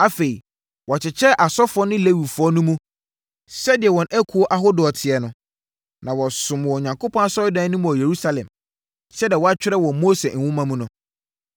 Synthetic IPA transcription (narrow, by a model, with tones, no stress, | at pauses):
a˦fe˨i˨ | wɔ˨t͡ɕʰɪ˨t͡ɕʰɛ˦ʔa˨sɔ˦fʊ˨ɔ˦nɪ̃˦le˦wi˨fʊ˨˦ɔ˦nʊ̃˦mũ˦ | sɛ˦dɪ˨ɛ˨wɔ̃˨næ˦kʰu˨o˦ʔa˦ɦo˦dʊ˨ɔ˨tʰɪ˨ɛ˨nʊ̃˨˦ | nã˨wɔ˨sʊ̃˨m˨wɔ˨ɲã˨ŋkʰo˦pʰɔ̃˦a˦sɔ˦ɪ˦dã˦nʊ̃˦mũ˨ɔ˨je˨ɾu˦sa˦lɛ̰̃˨m | sɛ˦dɪ˨ɛ˨wɔ˨˦a˦t͡ɕᶣɪ˦ɾɛ˦wɔ̃˨moː˦se˨ñ̩˨wʊ̃˦mã˦mũ˦nʊ̃˨